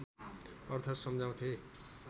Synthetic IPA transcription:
ʌrt̪ʰat̪sʌmd͡zaw̃t̪ʰe

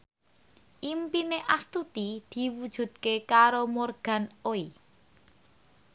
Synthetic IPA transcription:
ʔimpineʔast̪ut̪id̪̥i̤wud̥ʒ̥ṳd̪̥̚kekaɾomorɡ̥ä̤noi

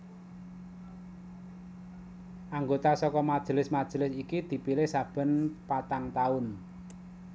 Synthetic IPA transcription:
ʔaŋɡot̪asɔkɔmad̥ʒ̥ə̤lɪsmad̥ʒ̥ə̤lɪsikid̪̥i̤pilɪhsab̥ə̤npat̪aŋt̪aʊn

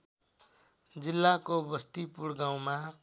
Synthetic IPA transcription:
d͡zilːakobʌst̪ipuɽɡaw̃ma

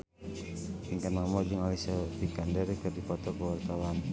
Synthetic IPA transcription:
iŋkanamɔd͡ʒəŋalisatikandɛrkərdipɔt̪ɔkəwart̪awan

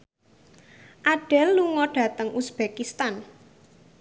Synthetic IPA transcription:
ʔaɖ̥ɛlːuŋɔɖ̥ä̤t̪əŋʔusb̥ekist̪an

